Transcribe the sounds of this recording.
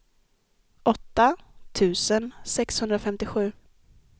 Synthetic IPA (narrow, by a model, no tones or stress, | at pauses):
ʔɔt̪ːat̪ʰʉ̟ːsənsɛkshɵnd̪ɾafɛmt̪ɪɧʉ̟ː